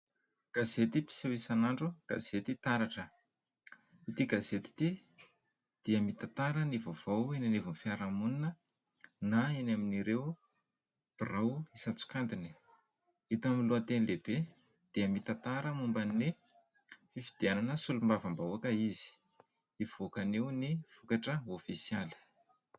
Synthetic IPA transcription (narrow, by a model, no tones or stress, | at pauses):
ɡ̥azet̪ipi̥sewisanaɳɖ͡ʐuɡ̥a̰z̥et̪it̪aɾaʈ͡ʂə | it̪iɡazet̪i̥t̪i | d̪̥iəmit̪at̪aɾənivov̥owenanevunfiaɾamuninə | naenaminiɾewu | rawisat͡su̥kand̪ini̥ | it̪amiluant̪enileb̥e | d̪̥iəmit̪at̪aɾəmumbani | fifid̪̥iananəsulumbavambauakəizi̥ | iv̥okanewnifukaʈ͡ʂəofisialə̥